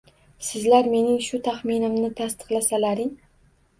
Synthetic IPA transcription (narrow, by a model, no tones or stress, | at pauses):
sɪzlaɾme̞nɪŋʃʊt̪ʰaχmɪnɪmnɪt̪ʰast̪ɨ̥qlˠasalaɾɪŋ